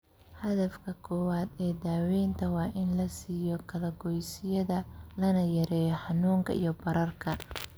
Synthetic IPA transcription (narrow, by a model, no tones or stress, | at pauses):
hɐðɐfkʰɐkʰɔːwaːd̪ɛːd̪aːwɛjnt̪ʰɐwɑːʔɪnlɐsiːjɔkʰɐlɐɡɔjsɪjɐðɐlɐnɐjɐɾɛːjɔħɑnuːŋkʰɐ̰ḭjɞbɐɾɐrkʰɐ